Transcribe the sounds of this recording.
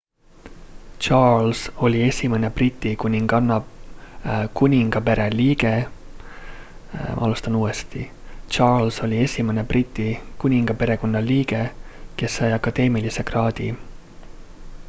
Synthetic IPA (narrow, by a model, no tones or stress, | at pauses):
t͡ʃɑːlso̞lʲie̞sʲime̞ne̞prit̪ʲːˑikunʲiŋɡ̥ɑnːɑ | kunʲiŋɡ̥ɑpe̞ɾe̞liːɡe̞ | mʔɑ̰lust̪ɑnuːest̪i | t͡ʃɑːlso̞lʲie̞sʲimene̞prit̪ʲːˑikunʲiŋɡ̥ɑpe̞ɾe̞ko̞nːɑliːɡe̞ke̞sːɑjɑkːɑd̪̥e̞ːmilise̞krɑːd̪̥ḭ